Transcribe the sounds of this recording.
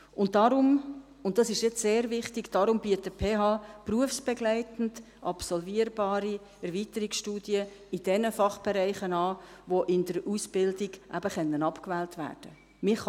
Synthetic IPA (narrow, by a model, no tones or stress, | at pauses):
ʊnt̚dɑɾʊm | ʊnt̚d̥ɑsɪʃɛt͡sseːɾvɪχtɪɡd̥ɑɾʊmbiətəpʰeːɦɑːpruəfsb̥ɛɡlæɪtn̩d | ʔɑpsɔlviəɾbɑːɾi | ɛɾvitəɾɪksʃtuːd̥jə | ɪd̥ɛnəfɑχb̥ɛɾɛɪχənɑːʋoʔɪnd̥əɾusb̥ɪldɪɡ̥ʔæ̰bəχœnːənɑpkʋɛːltʋæ̰ːrd̥ə | mɪχ